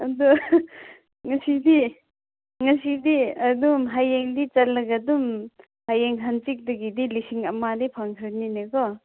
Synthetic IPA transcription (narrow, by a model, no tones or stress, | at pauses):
ɐdu | ŋɐsidi | ŋɐsidiɐdumɦajeŋdit͡ʃɐlːɐɡɐdum | hajeŋɦant͡ʃik̚dɐɡidilisiŋɐmadipʰaŋkʰɾɯninekɔ